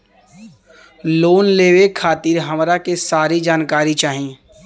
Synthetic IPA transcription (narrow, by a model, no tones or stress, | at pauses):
loːnleːʋekʰaːt̪iɾɦəmɾakesaːɾid͡ʒaːnkaːɾit͡ʃaːɦĩ